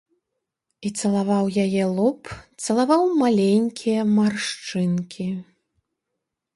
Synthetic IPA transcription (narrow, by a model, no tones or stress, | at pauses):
it̪sɐlˠavawjajɛlˠɔpt̪sɐlˠavawmalʲenʲkʲʰijɐmarʂt͡ʂɨnkʲʰi